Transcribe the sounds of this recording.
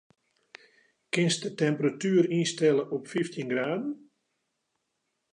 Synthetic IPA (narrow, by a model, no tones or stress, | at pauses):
kɪnsdətɛmpəratyːərinstɛləʔɔpfiftʰinɡraːdən